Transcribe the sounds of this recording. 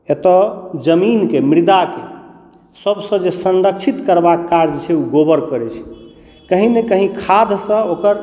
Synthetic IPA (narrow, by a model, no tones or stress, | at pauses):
et̪ɔd͡ʒəminkemɾid̪ake | səbsə̃d͡ʒesənɾəkt͡ʃʰit̪kəɾbakːaɾd͡ʒt͡ʃʰɛuɡobəɾkəɾɛt͡ʃʰɛ̥ | kəɦĩnekəɦĩkʰad̪ʱsə̃okəɾ